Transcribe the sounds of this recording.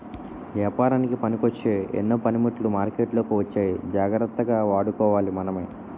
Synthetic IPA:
ʋjaːpaːɾaːnikipɐnikot͡ʃːe̞ːḛnːoːpɐnimiʈːlumaːɾkeːʈlo̞ːkiʋɐt͡ʃːaːjid͡ʒaːɡɾɐt̪ːɐɡaːʋaːɽukɔːʋaːlimɐnɐmɐj

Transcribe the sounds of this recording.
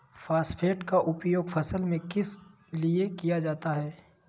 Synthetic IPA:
faːspʰeːʈkaʔʊpjoːɡfʰɐsəlmẽkɪs | liekijad͡ʒaːt̪aɦɛː

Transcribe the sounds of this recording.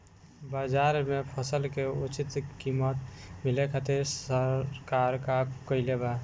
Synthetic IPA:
bad͡ʒaɾmepʰəsəlkeut͡ʃit̪kimət̪milekʰat̪iɾsəkaɾkakəɪleba

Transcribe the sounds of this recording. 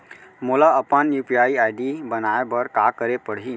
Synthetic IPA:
mulaəpənjupiaiajɖibənajabəɾkakəɾepəɽ̤ɦin

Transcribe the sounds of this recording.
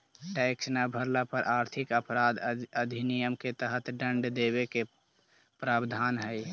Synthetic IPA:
ʈɛɪksnabʱəɾlapəɾʔaɾt̪ʰikəpɾad̪əd̪ʱinijəmket̪əɦət̪ɖəɳɖd̪eβeke | pɾaːbd̪ʱanɦəj

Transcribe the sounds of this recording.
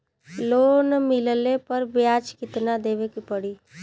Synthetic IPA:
loːnmɪləlepəɾbjaːd͡ʒkɪt̪nad̪eːbekipəɽiː

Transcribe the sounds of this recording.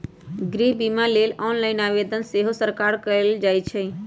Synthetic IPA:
ɡɾiɦbimalelɔːnlaɪnaʋed̪ənseɦosəɾkaɾkəɾeld͡ʒajt͡ʃʰɛ

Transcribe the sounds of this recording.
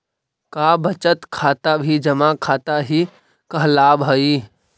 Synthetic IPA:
kaːbɐt͡ʃət̪kʰaːt̪abʱid͡ʒɐmakʰaːt̪aɦi | kəɦlaːbɦəiː

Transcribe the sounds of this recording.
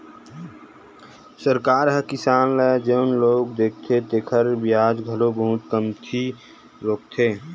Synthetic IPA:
səɾkaːɾɦəkɪsaːnləd͡ʒeʊnloːɡd̪eːk̚ʰt̪ʰet̪eːkʰəɾbɪjaːd͡ʒɡʱəlobəɦʊt̪kəmt̪ʰi | ɾoːk̚t̪ʰeː

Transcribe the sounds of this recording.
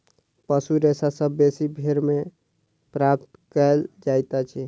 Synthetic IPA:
pəsuɾesasəbːesibʱeɾme | pɾap̚t̪kəld͡ʒajt̪at͡ʃʰi

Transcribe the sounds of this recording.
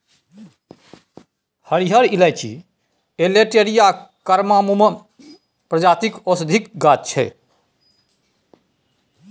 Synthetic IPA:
həɾiɦəɾilajt͡ʃʰḭ | eleʈeɾijakəɾmamume | pɾəd͡ʒat̪ikosd̪ʱik̚ɡat̪̚t͡ʃʰɛ̰

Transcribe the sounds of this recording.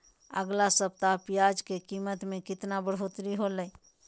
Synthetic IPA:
ə̰ɡlasəpt̪apjad͡ʒkekimət̪mẽkɪt̪nabəɽɦot̪ɾiɦolə

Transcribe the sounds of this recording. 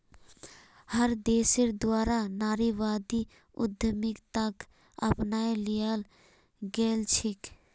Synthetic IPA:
həɾd̪eːseɾd̪waːɾanaːɾiʋaːd̪i | ʊ̰d̪ʱəmɪkt̪ək | ə̰pnaːelijal | ɡeːlt͡ʃʰɪk

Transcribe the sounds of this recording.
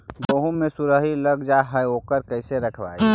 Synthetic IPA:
boɦũmesuɾəɦiləɡd͡ʒaɦəjokəɾkəɪseɾəkʰba̰jʰ

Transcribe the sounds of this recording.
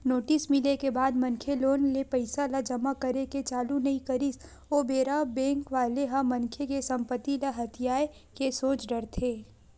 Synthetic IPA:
noːʈɪsmɪlekebaːd̪mɐ̃ŋkʰeloːnlepɐɪsalad͡ʒɐmakɐɾeket͡ʃaːlunɐĩkɐɾɪs | oːbeːɾabɛ̃ːŋkʋaːleɦamɐ̃ŋkʰekesɐ̃mpət̪ːilaɦɐt̪ʰijaːe | kesoːt͡ʃɖɐɾt̪ʰeː

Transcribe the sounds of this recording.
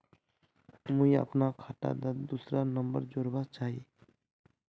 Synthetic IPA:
mʊĩə̰pnakʰaːʈa̰d̪ad̪uːsɾanəmbə̰ɾd͡ʒoːɾbat͡ʃaːɦiː

